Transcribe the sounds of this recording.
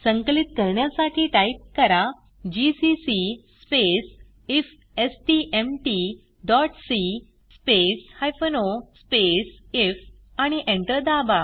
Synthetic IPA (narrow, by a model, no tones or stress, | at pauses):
sə̃ŋkəlit̪̚kəɾɳjasaʈʰiːʈajip̚kəɾa | d͡ʑisisisːpes | if | esʈiʔemʈi | ɖɔʈsi | speshajfənospesef | aɽ̃iʔẽɳʈəɾd̪aba